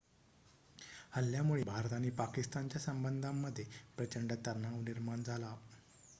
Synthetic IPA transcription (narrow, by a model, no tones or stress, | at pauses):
əljamuɭeːbʱaɾt̪aniːpakist̪ant͡ɕjasəmbənd̪ʱamːəd̪ʱːjepɾət͡ɕəɳɖət̪əɾnːaʋniɾmaɳd͡zʱala